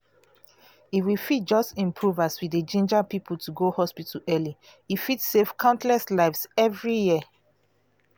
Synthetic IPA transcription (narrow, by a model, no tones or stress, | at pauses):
itwifit̚d͡ʒɔstĩmpʰɹuvaswidəd͡ʒĩnd͡ʒapipʰultuɡohɔspitalɛli | ifitsefkʰãʊ̃ntlɛstlaɪvsɛvɹijiə